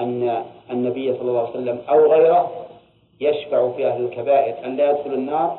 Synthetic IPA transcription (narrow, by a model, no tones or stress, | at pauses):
ʔanːanːabɪjːsˤɑlːɑlˤːɑːʕwsalːamʔawɣajɾa | jaʃbaʕfiʔahlɪlkabaːʔɪɾʔanlaːjad̪xʊlanːɑːɾˤ